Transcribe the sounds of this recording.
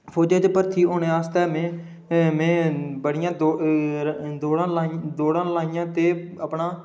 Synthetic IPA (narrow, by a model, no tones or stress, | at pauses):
pʰoːd͡ʒãːt͡ʃpəɾt̪ʰiːoːneːaːst̪ɛːmẽː | mɛ̃ːbəɽɪjãːd̪o | d̪oːɽãːlaːd̪oːɽãːlaːɪjãːt̪eː | əpɳaː